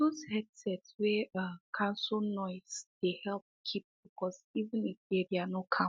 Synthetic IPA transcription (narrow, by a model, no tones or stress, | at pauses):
dozhɛdsɛtswɛakʰãnsɔnɔɪz̥d̥ehɛlp̚kʰip̚b̥ikɔzivɪ̃nifeɾianokʰã